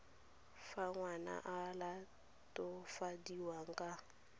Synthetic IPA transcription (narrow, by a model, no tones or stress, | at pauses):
faŋwana̰ʔala | tʼɔfadiwaŋ̩kʼa